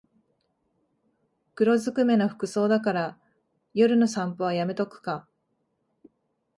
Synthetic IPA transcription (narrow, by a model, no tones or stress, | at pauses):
kɯ̟ɾo̞zɨkɯ̟me̞noɸɯ̟̥kɯ̟so̞ːd̪akaɾa | jo̞ɾɯ̟no̞sãmpoβajame̞t̪o̞kɯ̟̥ka